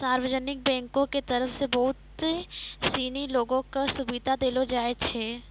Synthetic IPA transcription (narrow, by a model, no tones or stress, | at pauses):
saːɾwəd͡ʒənɪk̚bɛ̃ːŋkõket̪ɐɾəfsebɐɦʊt̪ | siːniloːɡõkasʊbɪd̪ʱad̪eːlod͡ʒaːet͡ʃʰeː